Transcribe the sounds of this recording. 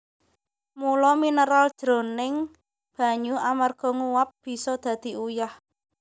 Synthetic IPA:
mulɔminəɾald̥ʒ̥ɾo̤nɪŋ | b̥ä̤ɲuamarɡ̥ɔ̤ŋuwap̚b̥i̤sɔd̪̥ä̤d̪̥i̤ujah

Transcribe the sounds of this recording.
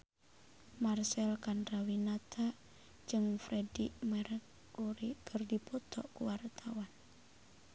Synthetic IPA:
marsɛlkandɾawinat̪ʰa | d͡ʒɨŋfɾɛdiʔmɛɾək̚ː | uɾikʰərdipɔt̪ʰɔkuwart̪ʰawan

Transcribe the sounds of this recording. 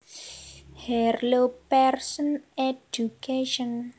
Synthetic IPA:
hɛrlopɛrsɔned͡ʒukeʃɔn

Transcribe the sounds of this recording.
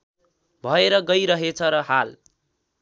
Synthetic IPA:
bʱʌeɾʌɡʌjɾʌɦet͡sʰʌɾʌhal

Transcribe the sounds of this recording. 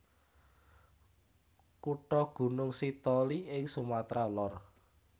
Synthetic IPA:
kuʈɔɡ̥ṳnʊŋsit̪ɔliʔɪŋsumat̪ɾalɔr

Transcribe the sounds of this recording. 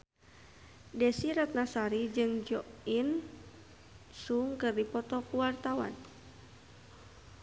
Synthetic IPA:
dɛsiɾat̪̚nasaɾid͡ʒɨŋd͡ʒɔʔin | suŋkɨrdipɔt̪ɔkuwart̪awa̰n

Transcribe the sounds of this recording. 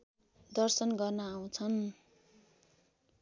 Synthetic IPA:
d̪ʌrsʌnɡʌrnʌaw̃t͡sʰʌn

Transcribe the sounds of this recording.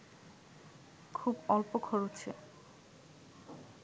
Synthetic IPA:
kʰubɔlpokʰɔɾot͡ɕʰḛ

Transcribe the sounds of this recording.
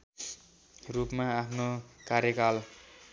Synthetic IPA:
rupmaapʰnokaɾjʌkal

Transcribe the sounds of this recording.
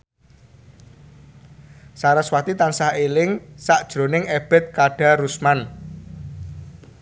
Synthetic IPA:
saɾəswat̪it̪ansahelɪŋsaʔd̥ʒ̥ɾo̤nɪŋeb̥ɛ̤t̪̚kaɖ̥a̤ɾusman

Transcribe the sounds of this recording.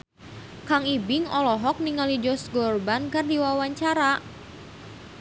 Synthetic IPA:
kaŋibɪŋɔlɔɦɔk̚niŋalid͡ʒɔsɡɔrbankɨrdiwawaɲt͡ʃaɾa

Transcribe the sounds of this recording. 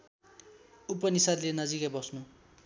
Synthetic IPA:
upːʌnisadlenʌd͡zikajbʌsnu

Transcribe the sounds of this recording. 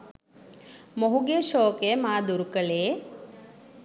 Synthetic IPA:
moɦuɡeːʃoːkemaːd̪uɾukɐɭeː

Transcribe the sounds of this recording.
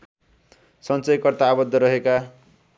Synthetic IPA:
sʌnt͡sʌjkʌrt̪aːbʌd̪ʱːʌɾʌɦeka

